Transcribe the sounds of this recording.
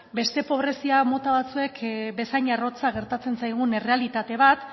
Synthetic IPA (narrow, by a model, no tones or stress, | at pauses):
be̞st̪e̞po̞βɾe̞siamo̞t̪aβ̞at͡sue̞kʰbe̞sajɲaro̞t͡saɣ̞e̞ɾt̪at͡se̞nsajɣ̞une̞re̞alit̪at̪e̞β̞at̪